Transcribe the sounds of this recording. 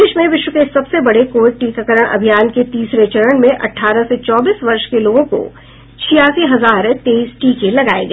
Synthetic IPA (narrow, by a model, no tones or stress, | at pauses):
ɪʃmẽʋɪʃwəkesɐbsebɐɽekoːʋɪɖ̚ʈiːkakəɾəɽ̃ʔɐ̰bʱijaːnket̪iːsɾet͡ʃɐɾəɽmẽʔɐ̰ʈʰːaːɾəset͡ʃɔːbiːsʋɐɾʃkeloːɡõko̰ | t͡ʃʰijaːsiɦɐzaːɾt̪eːiːsʈiːkelɐɡaːeɡɐ